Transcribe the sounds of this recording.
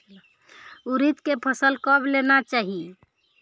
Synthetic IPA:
uɾit̪kepʰəsəlkəblenat͡ʃaɦi

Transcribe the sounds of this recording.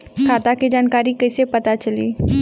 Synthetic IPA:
kʰaːt̪akid͡ʒaːnkaːɾikɐsepɐt̪at͡ʃəlḭː

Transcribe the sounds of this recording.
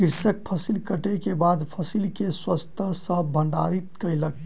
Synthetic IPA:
kiɾsək̚pʰəsilkəʈekebad̪pʰəsilkeswəst̪ʰəsəbʱəɳɖa̰ɾit̪kəjlək

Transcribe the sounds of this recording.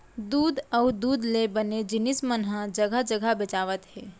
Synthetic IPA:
d̪uːd̪əʊd̪uːd̪lebəned͡ʒɪnismənɦəd͡ʒəɡʱəd͡ʒəɡʱəbet͡ʃaːʋət̪ɦɛː

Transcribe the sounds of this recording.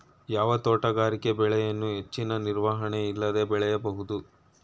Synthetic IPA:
jaːʋɐt̪oːʈɐɡaːɾike̞bɛɭɛjɐnːuɦe̞t͡ʃːinɐniɾʋaːɦɐɳe̞ilːɐd̪e̞bɛɭɛjɐbɐɦud̪u

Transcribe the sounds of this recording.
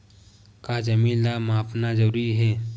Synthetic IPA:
kaːd͡ʒɐmiːnlaːmaːpnazəɾuːɾiɦɛː

